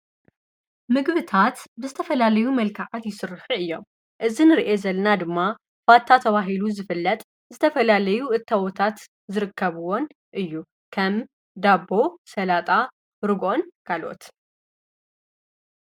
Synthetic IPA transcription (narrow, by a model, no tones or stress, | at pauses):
mɨɡβɨt̪ʰat̪bəzɨt̪ʰəfəlaləjuməlkʰaʕat̪jɪsɨrːɨhɨjːow | ʔɨzɨnɾʔezəlɨnad̪ɨmːa | fat̪ʰːat̪ʰəβaɦiluzɨfɨlːət̪ʼ | zɨt̪ʰəfəlaləjuʔɨt̪ʰːawɔt̪ʰat̪ | zɨɾɨkʰːəβɨwon | ʔɨjːu | kʰəm | d̪abo̞sɐlat̪ʼa | ɾɨɡo̞nɡ̥alo̰t̪